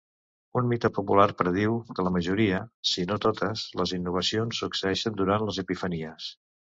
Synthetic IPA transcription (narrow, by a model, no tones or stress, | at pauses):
unmit̪əpupularpɾəð̞iwkələməʒuɾiəsinot̪ot̪əsləzinːuβ̞əsionsːuksəɛʃənd̪uɾanləzəpifəniəs